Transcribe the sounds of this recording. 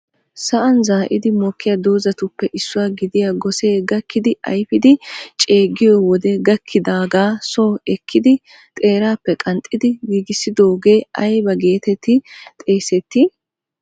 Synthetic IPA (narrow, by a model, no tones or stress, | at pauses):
sɐʔɐnzaːʔɪd̪ɪmɔkːɪjɐd̪oːzɐt̪ʊpːɛʔɪsːʊwaɡɪd̪ɪjaɡɔseːɡɐkːɪd̪ɪʔɐ̰jfɪd̪ɪt͡ʃʼe̞ːɡɪjɔwɔd̪ɛɡɐkʰːɪd̪aːɡaːsoːɛkʰːɪd̪ɪ | t̪ʼe̞ːɾaːpːɛkʼɐnt̪ʼːɪd̪ɪɡiːɡɪsːɪd̪o̞ːɡe̞ːʔɐjbɐɡe̞ːt̪ɛt̪ːɪt̪ʼe̞ːsɛt̪ːɪ